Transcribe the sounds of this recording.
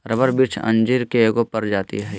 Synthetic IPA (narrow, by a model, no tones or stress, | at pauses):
ɾɐbəɾbiɾt͡ʃʰɐ̰̃nd͡ʒiɾkeeɡopɐɾd͡ʒaːt̪ḭɦɛː